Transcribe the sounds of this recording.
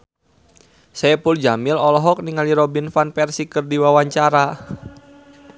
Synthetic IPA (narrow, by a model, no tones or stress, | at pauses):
sɛɛpuld͡ʒamɪlɔlɔɦɔk̚niŋaliɾɔbinfanpɛrsikərdiwawaɲt͡ʃaɾa